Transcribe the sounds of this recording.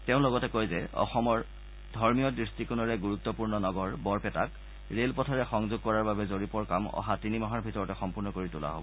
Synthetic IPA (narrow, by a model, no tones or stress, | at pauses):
teʊ̃lɔɡɔtɛkojzɛɔ̰xɔmɔɹ | dʱɔɹmijɔdɹistikunɔɹɛɡuɹut̪ːɔpuɹnɔnɔɡɔɹbɔɹpɛta̰k | ɹelpɔtʰaɹɛxɔŋzʊɡ̚kɔɹaɹbabɛzoɹipɔɹkamɔ̰ɦatinimɔɦaɹbʱitɔɹɔtɛxɔmpuɹnɔkoɹitula̰ɦo̰bɔ